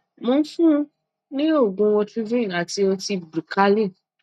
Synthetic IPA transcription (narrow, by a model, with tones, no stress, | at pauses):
mõ˧n̩˦fũ˦˧˦ | nĩ˦o˦˨ɡũ˧˦wɔ̃˧tu˦vĩ˦˨na˨ti˧ɔ˧ti˧bɾi˨ka˦lĩ˦˨